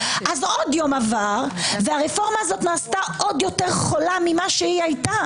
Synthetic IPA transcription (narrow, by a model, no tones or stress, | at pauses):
ʔazodjo̞mavaʁveaʁefo̞ʁmaːzo̞tnaːstaʔo̞djo̞te̞ʁχo̞lamimaʃeiajta